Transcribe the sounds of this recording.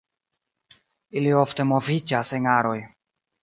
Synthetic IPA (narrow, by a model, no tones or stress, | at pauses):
ilio̞fte̞mo̞vid͡ʒaseŋaɾo̞j